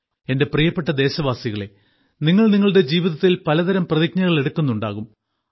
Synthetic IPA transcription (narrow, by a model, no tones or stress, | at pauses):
e̞nde̞prijɐpːe̞ʈːɐd̪e̞ːɕɐʋaːsiɣɐɭe̞̰ | niŋːɐɭniŋːɐɭɽe̞d͡ʑiːʋiðɐt̪ːilpɐlɐd̪ɐɾɐmprɐðik̚ɲɐɣɐɭe̞ɽukːunːuɳɖaːɣum